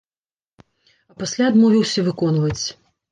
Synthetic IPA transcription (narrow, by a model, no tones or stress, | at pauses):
ɐpasʲlʲaːd̪mɔvʲiwsʲɐvɨkɔnvɐt͡sʲ